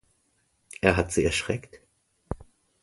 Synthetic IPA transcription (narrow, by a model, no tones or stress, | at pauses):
ʔeːɐɦatz̥iːɛɐʃʁ̥ɛkt